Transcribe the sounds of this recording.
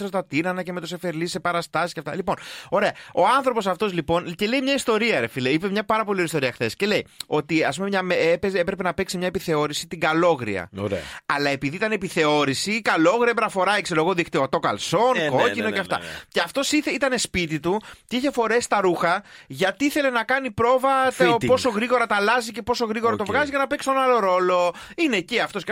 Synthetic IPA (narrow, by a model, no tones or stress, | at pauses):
ɾst̪ɐt̪inɐnɐce̞me̞t̪o̞sefe̞ɾlise̞pɐɾɐst̪ɐsisceɐft̪ɐ̰lipo̞no̞ɾe̞ɐo̞ɐnθɾo̞po̞sɐft̪o̞zlipo̞nce̞lejmɲɐist̪o̞ɾiɐeɾefileipemɲɐpɐɾɐpolioist̪o̞ɾiɐxθe̞sce̞le̞jo̞t̪iɐsp̬umemɲɐmeepezepɾe̞pe̞nɐpe̞ksimɲɐepiθe̞o̞ɾisit̪iɡɐlo̞ɣɾḭɐ̰oɾeɐ̰lɐe̞piðiit̪ɐnepiθe̞o̞ɾisikɐlo̞ɣɾiɐpenɐfo̞ɾɐekseɾo̞ɣoðikt̪iot̪o̞kɐ̰lso̞nko̞cinoceɐft̪ɐ̰ce̞ɐft̪o̞siθeit̪ɐne̞spit̪it̪ut̪iiçe̞fo̞ɾe̞st̪ɐɾuxɐʝɐt̪iiθe̞le̞nɐkɐnipɾo̞vɐt̪po̞so̞ɣɾiɣo̞ɾɐt̪ɐlɐzice̞po̞so̞ɣɾiɣo̞ɾɐt̪o̞vɣɐzizʝɐnɐpeksonɐlo̞ɾo̞lo̞ineciɐft̪o̞s